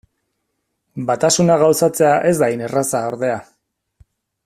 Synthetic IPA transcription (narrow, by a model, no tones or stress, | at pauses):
bat̪asunaɣawsat͡se̞aʔe̞zd̪ajne̞rasaoɾðe̞a